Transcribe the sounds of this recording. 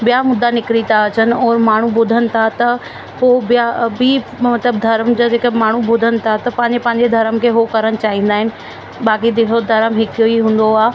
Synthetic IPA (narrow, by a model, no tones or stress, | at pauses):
bijamʊd̪ʱːanɪkɾit̪aɐt͡ɕənɪ̆ɔːɾmaːɳ̤ũbʊd̪ʱənɪ̆t̪ʰat̪ɐ | pobɪjabimɐt̪ləb̚d̪ʱɐɾmd͡ʑod͡ʑeːkəmaːɳ̤ubʊd̪ʱənɪ̆t̪ʰat̪ɐpɐ̃ɦɪ̃ɲd͡ʑepɐ̃ːɪ̃ɲ̆d͡ʑed̪ʱɐɾəmkʰeɦokɐɾəɽ̃ɪ̆t͡ɕaːɦĩːn̆d̪aːɦɪnɪ̆ | baːkid̪ɪɦod̪ʱɐɾəmɦɪkijoiɦũːn̆d̪oaː